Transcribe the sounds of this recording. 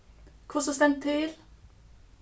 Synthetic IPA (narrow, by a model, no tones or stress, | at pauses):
kʰʊsɔst̪ɛnt̪ʰœʏɾ